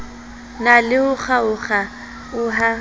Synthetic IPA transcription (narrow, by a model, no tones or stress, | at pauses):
nalɪʊχaʊχa | ʊɦa